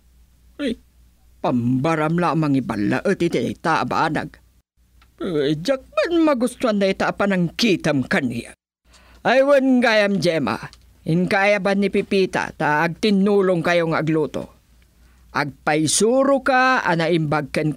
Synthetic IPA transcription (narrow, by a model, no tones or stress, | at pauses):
aj | pambaɾamlaʔmaŋiba̰lːa̰ʔət̪ɪt̪id̪a̰jt̪aʔaba̰na̰ɡ̚ | jd͡ʒak̚manmaɡʊst̪uand̪ait̪aʔapanaŋkit̪əmkanḭja̰ | ʔajwənɡajamd͡ʒɛma̰ | ɪŋkajabanːipipit̪a̰t̪aːɡ̚t̪ɪnːulʊŋkajoŋaːɡlut̪o̰ | ʔaɡ̚pajsuɾʊkaa̰naʔimbaɡ̚kən